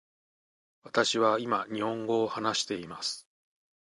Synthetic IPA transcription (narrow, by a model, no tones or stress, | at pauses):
βat̪aɕiβaimaɲ̟ihõ̞ŋɡo̞ːhanaɕi̥t̪e̞imasɨ̥